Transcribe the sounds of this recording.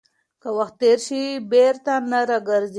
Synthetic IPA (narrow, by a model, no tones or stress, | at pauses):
kəwaxt̪̚ːeɾʃibeɾt̪anaɾaɡəɾz